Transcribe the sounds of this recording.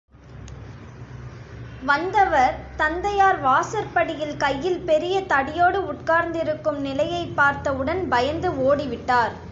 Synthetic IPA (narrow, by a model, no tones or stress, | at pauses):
ʋɐnd̪ɐʋɐɾt̪ɐnd̪ɐjaːɾʋaːsɐɾpɐɽɪjɪlkɐjːɪlpɛɾɪjɐt̪ɐɽɪjoːɽɯʊʈkaːɾnd̪ɪɾɯkːɯmnɪlɐjɐɪpːaːɾt̪ɐɯɽɐnbɐjɐnd̪ɯoːɽɪʋɪʈːaːɾ